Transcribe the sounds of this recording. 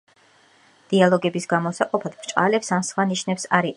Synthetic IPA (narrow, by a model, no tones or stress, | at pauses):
d̪̥ialˠɔɡɛbisɡamɔsaqʼɔpʰad̪̥pɾt͡ʃʼqʼalɛpsamsχwaniʃnɛpsaɾi